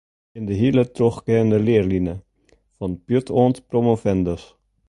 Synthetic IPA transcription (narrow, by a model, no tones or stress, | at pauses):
ɪndəɦilətroxkɛəndəlɪərlinə | fɔnpjøtʰoːntpromofɛndəs